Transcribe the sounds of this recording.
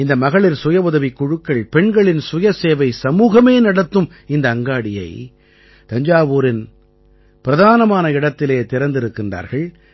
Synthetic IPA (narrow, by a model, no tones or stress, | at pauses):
ɪnd̪ɐmɐɣɐɭɪɾsʊjɐʋʊðɐʋɪkːʊɻɯkːɐɭpɛɳɡɐɭɪnsʊjɐseːʋɐɪsɐmuːɣɐmeːnɐɽɐt̪ːɯm | ɪnd̪ɐːŋɡaːɽɪjɐ̰ɪ | t̪ɐɲd͡ʒaːʋuːɾɪn | pɪɾɐðaːnɐmaːnɐɪɽɐt̪ːɪleːt̪ɪɾɐnd̪ɪɾɯkːɪndra̰ːɾɣɐɭ